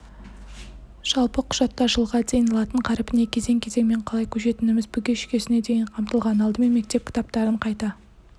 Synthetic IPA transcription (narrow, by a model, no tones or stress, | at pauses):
ʒ̥ɑlˠpəqʰʊ̥ʒ̥ɑt̪ːɑʒəlˠʁɑd̪e̞jnɑlˠɑt̪əɴqʰɑɾɪpɪne̞kʲʰe̞ze̞ŋkʲʰe̞ze̞ŋme̞ɴqʰɑlˠɑjkʲʰɵʃe̞t̪ɪnɪmɪzbɪɡʲeʃkʲe̞sɪne̞d̪e̞jɪɴqʰɑmt̪əlˠʁɑnɑlˠd̪əme̞nme̞k̚t̪e̞p̚kʲʰɪ̥t̪ɑpt̪ɑɾəɴqʰɑjt̪ɑ